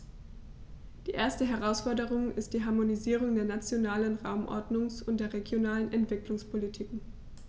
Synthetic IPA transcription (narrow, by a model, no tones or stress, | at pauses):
d̥iːʔeːɐstəɦɛʁ̞aʊsfɔɐdəʁ̞ʊŋɪst̚d̥iːɦaɐmoniziːʁ̞ʊŋdeːɐnat͡sjonaːlənʁaʊmʔɔ̰ɐdnʊŋsʊntd̥eːɐʁeɡjonaːlənʔɛntv̥ɪklʊŋspʰolitʰiːk̩